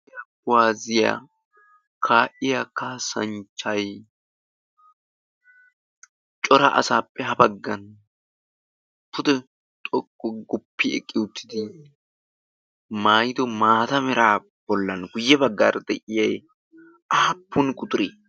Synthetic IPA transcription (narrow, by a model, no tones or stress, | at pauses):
ɐbwaːzɪjɐ̰ | kʰaːʔɪjakaːsɐnt͡ʃːɐj | t͡ʃʼɔɾɐʔɐ̰saːpːɛɦɐbɐɡːɐn | pːʊd̪ɛ | t̪ʼɔkʼːɔɡʊpːɪɛ̰kʼːɪʊt̪ʰːɪd̪ɪ | maːjd̪ɔmaːt̪ɐmɛɾaː | b̥ɔlːɐnɡʊjːɛbɐɡːa̰ːɾd̪̥ɛʔɪjɐj | ʔaːpːʊnkʼʊt̪ʊɾiː